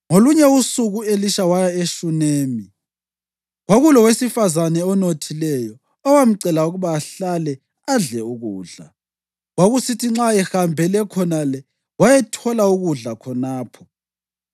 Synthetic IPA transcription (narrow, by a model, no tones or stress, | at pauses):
ŋoluɲɛusuɣueliʃawajaeʃuneːmi | ɣwaɣulɔwesifazanɛɔnotʰilɛjɔ | ɔwam̩ǀɛlauɣuβaːɬalɛ | aɮɛuɣuːɮa̰ | ɣwaɣusitʰiŋ͡ǁaɛhambʱɛlɛkʰɔnalɛ | wajɛtʰɔlauɣuɮakʰɔnaːpʰɔ